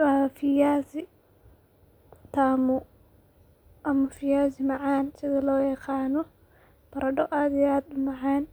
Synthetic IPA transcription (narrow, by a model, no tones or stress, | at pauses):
afɪjaːsɪ | t̪ʰaːmʊ | ʔɐmɐfɪjaːsɪmɑʕɑːnsɪðɐlɔːjɛqɑːnɔ | b̥ɐɾɐɖɔʔaːd̪ɪaːd̪̚ʊmɑʕɑːn